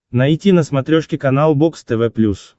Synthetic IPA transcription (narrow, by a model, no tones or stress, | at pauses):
nɐjtʲinɐsmɐt̪ɾʲoʂkʲɪkɐnalˠbokst̪ɛvɛplʲus